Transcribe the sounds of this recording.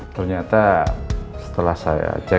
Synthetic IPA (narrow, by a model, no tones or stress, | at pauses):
t̪ərɲat̪a | sə̥t̪əlahsaja̰d͡ʒa